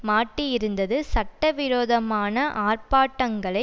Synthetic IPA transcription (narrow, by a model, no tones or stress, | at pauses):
maːʈːɪjɪɾɯnd̪ɐðɯsɐʈːɐʋɪɾoːðɐmaːnɐʔaːrpaːʈːɐŋɡɐɭɐɪ